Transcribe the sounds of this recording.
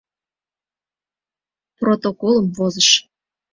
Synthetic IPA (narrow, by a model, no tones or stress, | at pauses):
prot̪okolˠəmvozəʃ